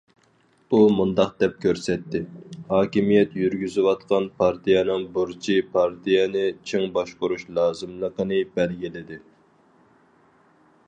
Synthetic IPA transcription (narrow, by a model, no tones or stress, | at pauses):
umund̪ɑq̚d̪ɛp̚kʲʰøɾsɛt̪ʰːɪhɑːkʲimijɛt̪jyɾɡʲyzɪwɑt̪qʰɑnpʰɑɾt̪ijɛnɨŋbuɾt͡ʃʰipʰɑɾt̪ʰijɛnɪt͡ʃʰeŋbɑʃqʊɾuʃlˠɑːzɨmlˠəqənɨbɛlɡʲilɪd̪ɪ